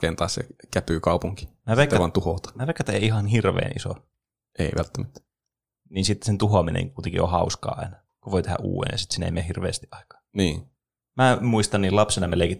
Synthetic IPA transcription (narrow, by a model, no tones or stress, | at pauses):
kent̪ɑːssḛkæpyˑkɑˑupuŋki̥mæʋek̪ːʋɑnt̪uhot̪ɑ̥mæʋekːæt̪æeiihɑnhirʋḛːnḭso̰ | ʔeˑiʋælt̪ːæmæt̪ːæ̥ | niːnsit̪ːsent̪uɦoɑminʔḛŋk̚uit̪eŋkio̰hɑuskɑ̰ːʔɑ̰inɑ | koʋoit̪ehæ̰ʔṵːḛnjɑ̰si̥t̪sinḛimiæhirʋḛːst̪iʔɑikɑːniː | mæmuist̪ɑnnilɑpsenɑmeleˑkit̪